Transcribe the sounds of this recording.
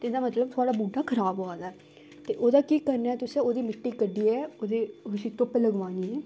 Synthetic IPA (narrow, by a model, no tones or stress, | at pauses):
t̪ed̪aːmət̪ləb̚t̪ʰʊaːɽaːbuːɖaːkʰəɾaːbɦoaːd̪aːɛ | t̪eːʔoːd̪aːkiːkəɾnaːɛːt̪ʊsẽːoːd̪iːmɪʈːiːkəɖiːɛːoːd̪eːʊʃiːt̪ʊpːləɡʋãːniːɛː